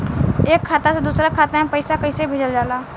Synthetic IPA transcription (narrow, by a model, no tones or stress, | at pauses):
eːkʰːaːt̪ased̪uːsɾakʰaːt̪amẽpəɪsakəɪsebʱeːd͡ʒəld͡ʒaːlaː